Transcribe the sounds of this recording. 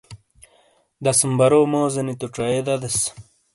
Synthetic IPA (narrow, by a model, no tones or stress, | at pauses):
d̪asəmbɐɾoːmoːzɐnit̪uʈ͡ʂaed̪ɐd̪es